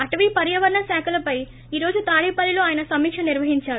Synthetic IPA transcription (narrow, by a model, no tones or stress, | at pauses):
ɐʈʋiːpɐɾjɐʋɐɾɳɐsaːkulɐpɐj | iːɾo̞ːd͡ʒut̪aːɭiːpɐlːiloːaːjɐnɐsɐmiːkʂɐniɾʋɐɦiɲt͡ʃaːɾu